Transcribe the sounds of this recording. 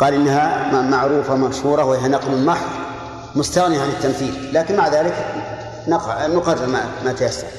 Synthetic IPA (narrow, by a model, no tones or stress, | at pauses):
qɑːlʔɪnːaɦamaʕɾuːfamaʃhuːɾˤɑhwɪɦanɑqlɪmɑħðˤ | mʊst̪aɣniaʕanɪt̪ːamθiːllaːkɪnmaʕðaːlɪk | nɑqnʊqɑrˤːɑɾmamat̪ajasːɑɾˤ